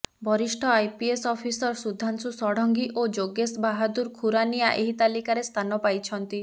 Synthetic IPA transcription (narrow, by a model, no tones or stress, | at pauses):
bʱɔɾisʈʰɔajpiesɔpʰisɔɾsud̪ʱansusɔɽɔŋɡiʔod͡ʒoɡesbaɦad̪uɾkʰuɾanijaʔeɦit̪alikaɾest̪ʰanɔpajt͡ʃʰɔnt̪i